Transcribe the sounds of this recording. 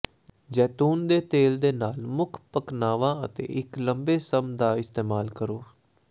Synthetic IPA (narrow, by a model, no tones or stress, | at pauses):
d͡ʒɛːt̪uːnd̪eːt̪eːld̪eːnaːlmʊkʰpəknaːʋãːət̪ḛːʔɪkləmbeːsəmd̪aːɪst̪eːmaːlkəɾoː